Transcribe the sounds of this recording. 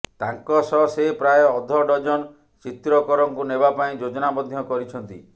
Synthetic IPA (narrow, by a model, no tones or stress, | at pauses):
t̪aŋkɔsɔsepɾajɔd̪ʱɔɖɔd͡ʒɔn | t͡ʃit̪ɾɔkɔɾɔŋkunebapaĩd͡ʒod͡ʒɔnabɔd̪ʱjɔkɔɾit͡ʃʰɔnt̪ḭ